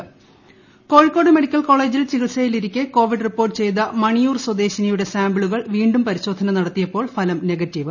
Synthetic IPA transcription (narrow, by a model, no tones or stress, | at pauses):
ko̞ːɻkːo̞ːɽɨme̞ɽikʲːɐlko̞ːɭe̞ːd͡ʑilt͡ɕiɣiɭsɐjiliɾikʲːɨko̞ːʋiɖripːorʈːɨt͡ɕe̞jt̪̬ɐmɐɳijuːrswɐd̪e̞ːɕinɐjuɽe̞saːmbɭuɣɐɭʋiːɳɖumpɐɾiɕo̞ːd̪ʱɐnɐnɐɽɐt̪ːijɐpːo̞ːɭfʰɐlɐmne̞ɣɐtːiʋɨ